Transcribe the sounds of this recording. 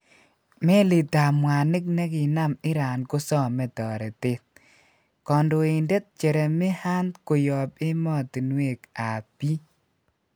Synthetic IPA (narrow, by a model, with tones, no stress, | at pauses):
me˦lɪ˨ta˨mwa˨nɪ˦k̚nɛ˦kɪ˨na˦mɪ˦ɾa˨nko˦sɔ˦mɛ˨tɔː˨ɾɛ˨tɪ˦t̚ | kɔ˨ndo˨e˨nde˦t̚t͡ʃe˨ɾɛ˨mɪ˦ha˦ndko˨jɔ˨pɪ˦mɔ˦˨ti˨nwe˦˨ka˨pi˦